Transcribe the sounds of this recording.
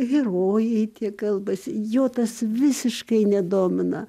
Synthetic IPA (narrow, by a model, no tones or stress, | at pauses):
ɣʲɪroːjɛɪt̪ʲiɛkɐlˠbɐsʲɪjoːt̪ɐsʋʲɪsʲɪʃkɐɪnʲɛd̪oːmʲɪnɐ